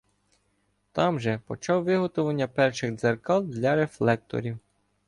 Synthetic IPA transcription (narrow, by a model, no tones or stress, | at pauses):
t̪ɑmʒɛpɔt͡ʃɑwʋɪɦɔt̪ʊʋɐnʲːɐpɛrʃɪɣd̪zerkɑlˠd̪lʲɐɾeflˠɛk̚t̪ɔ̰ɾʲiw